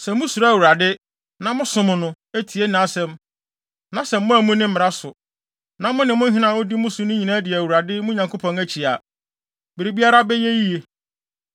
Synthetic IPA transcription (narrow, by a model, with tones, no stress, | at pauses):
sɛ˨mʊ̃˦su˨ɾa˦˨wu˨ɾa˨dɪ˦ | nã˦mʊ̃˦sʊ̃˨mʊ̃˨nʊ̃˦ | æ˦tʰi˨e˦nã˨a˦˨sɛ̃˨m | nã˦sɛ˨m̩ː˦ʊ̃˦æ˨mũ˦nɪ̃˦m̩˦ɪ˨ɾa˦sʊ˨ | nã˨mʊ̃˦nɪ̃˨mʊ̃˦n̩˦ɦɪ˦nã˨ʊ̃˦di˦mʊ̃˦sʊ˨nʊ̃˦ɲĩ˨nãː˦dɪ˨ɛ˨æ˨wu˨ɾa˨dɪ˦mʊ̃˦ɲã˨ŋko˦pʰɔ̃˨næ˨t͡ɕʰi˨a˨ | bɪ˨ɾi˨bi˦a˦ɾa˦bɛ˦je˦ji˦je˨